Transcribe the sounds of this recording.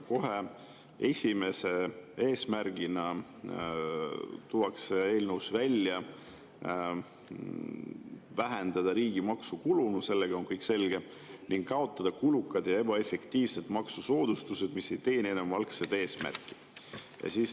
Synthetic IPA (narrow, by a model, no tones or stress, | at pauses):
ko̞ɦe | e̞sʲime̞se̞e̞ːsmæɾɡ̥inɑ | t̪uwɑksee̞ːlnəwsvælʲːjɑ | væɦend̪̥ɑd̪̥ɑɾiːɡ̥imɑksukulunuse̞lːeɡ̥ɑo̞ŋkɤjkse̞lɡ̥e̞ | niŋɡ̥ːɑo̞t̪ˑːɑd̪̥ɑkulukːˑɑd̪̥jɑe̞bɑe̞fe̞kt̪iːvse̞d̪mɑksuso̞ːd̪̥ust̪use̞d̪̥misːe̞jt̪e̞jnenemvɑlksed̪e̞ːsmæ̰rkːˑi̥ | jɑ̰siːs